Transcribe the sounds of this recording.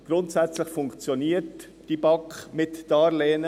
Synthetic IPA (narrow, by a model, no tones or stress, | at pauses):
ɡ̥ɾʊntsɛt͡slɪçfʊŋkt͡sjoniːət | d̥ibɑkχmɪtd̥ɑːɾleːnə